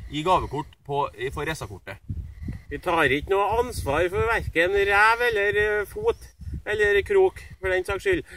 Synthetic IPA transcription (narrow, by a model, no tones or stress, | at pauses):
ɪɡɑːʋəkʊʈːpʰɔfɔɾɛsɑkʊʈːə | ʋɪt̪ʰɑːɾɪknuːəɑnsʋɑːɾfɔɾʋæɾkənɾæːʋɛlːəɾfuːt̪ɛlːəɾkʰɾuːkfɔɖɛnsɑkʂʏl